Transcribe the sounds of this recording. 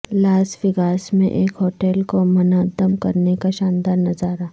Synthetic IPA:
laːsʋɪɡaːsmḛ̃ʔeːkɦoːʈɛːlkomɐnaːd̪əmkɐɾnekaʃãːnd̪aːɾnɐzaːɾa

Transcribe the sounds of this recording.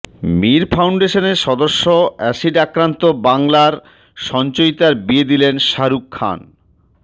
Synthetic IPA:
miɾfʰawɳɖeʃoneɾʃɔd̪oʃːoɛʃiʈakɾant̪obaŋlaɾ | ʃɔnt͡ɕojt̪aɾbied̪ilenʃaɾukʰːa̰n

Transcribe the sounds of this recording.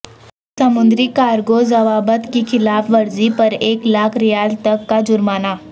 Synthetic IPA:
sɐmʊ̃nd̪ɾikaːɾɡoːzɐʋaːbət̪kixɪlaːfʋɐɾzipɐɾeːklaːkʰɾɪjaːzt̪ɐkːad͡ʒʊɾmaːnaː

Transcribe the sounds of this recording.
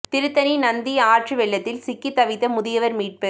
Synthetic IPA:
t̪ɪɾɯt̪ːɐninɐnd̪iaːʈrɯʋɛɭːɐt̪ːɪlsɪkːit̪ːɐʋɪt̪ːɐmʊðɪjɐʋɐɾmiːʈ̚pe

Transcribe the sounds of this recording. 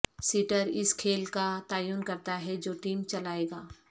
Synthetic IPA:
siːʈəɾɪskʰeːlkat̪aːjuːnkɐɾt̪aɦɛd͡ʒoːʈiːmt͡ʃɐlaːeːɡaː

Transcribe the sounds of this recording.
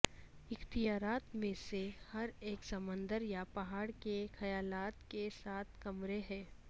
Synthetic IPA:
ɪxt̪ijaːɾaːt̪mẽsehɐɾeːksɐmə̃nd̪əɾjapɐɦaːɽkexɐjaːlaːt̪kesaːt̪̚ʰkɐmɾeɦɛ̃ː

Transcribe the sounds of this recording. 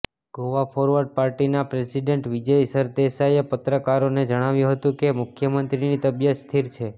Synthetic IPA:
ɡ̥oʋapʰɔɾʋəɾɖ̚paɾʈinapɾesiɖeɳʈʋid͡ʒəjsəɾd̪esajepət̪ɾəkaɾoned͡ʒəɽ̃aʋjũɦət̪ũkemʊkʰjəmənt̪ɾinit̪əbjət̪st̪ʰiɾt͡ʃʰe

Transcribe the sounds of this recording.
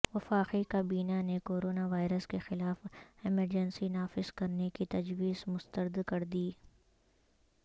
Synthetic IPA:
ʋɐfaːqikabiːnanekoːɾoːnaʋaːɪɾəskexɪlaːfɪməɾd͡ʒənsinaːfɪz̥kɐɾnekit̪ɐd͡ʒʋiːzmʊst̪əɾd̪kɐɾd̪iː

